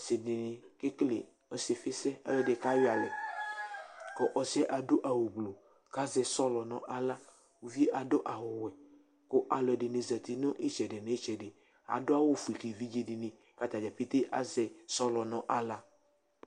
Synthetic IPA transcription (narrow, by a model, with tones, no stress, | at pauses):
se˨nɪ˨nɪ˨ke˦klḛ˨ | ɔ˨se˨fe˦sɛ˦a̰˦lɛ˨ɖe˨ka˦jo˦a˨lɛ˨ | kɔ˦ʔɔ˨sɛ˦ʔa˨do˦ʔa˨wo˨ɡ͡blo˨ | ka˦zɛ˨sɔ˦lɔ˨nɔ̃˨ʔa˨la˦ | wo˨vi˦ʔa˨do˦ʔa˨wʊ˨wɛ˨ | ko˦ʔa˨lɔ˨ɛ˨ɖe˨nẽ˨za˨t̪i˨nʊ̃˦ʔe˦t͡ʃɛ˨ɖe˨nẽ˨e˦t͡ʃɛ˨ɖe˨ | a̰˨dʊ˦a˦wo˦fu˨i˨ki˨vi˦d͡ʒe˦di˨nẽ˨ | ka˦t̪a˨d͡ʒa˨pi˦t̪e˦ʔa̰˨zɛ˨sɔ˦lɔ˨nɔ̃˨ʔa˨la˦